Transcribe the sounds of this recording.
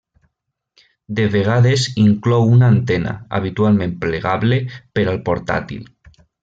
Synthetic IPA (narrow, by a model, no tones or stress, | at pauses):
d̪eβ̞eɣ̞aðesiŋklɔwunaːnt̪ena̰a̰β̞it̪ualmẽmpleɣ̞aβlepeɾalpoɾt̪a̰t̪ḭl